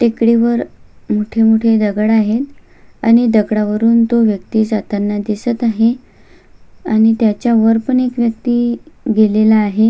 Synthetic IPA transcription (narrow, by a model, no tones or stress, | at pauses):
t̪ekɽiʋəɾmuʈʰemuʈʰed̪əɡəɽaɦet̪ | aɽ̃id̪əɡɽaʋəɾuːnt̪oʋjəkt̪iːd͡zat̪anːad̪isət̪aɦe | aɽ̃it̪jat͡ɕjaʋəɾpəɳekʋjək̚t̪iːɡelelaːɦe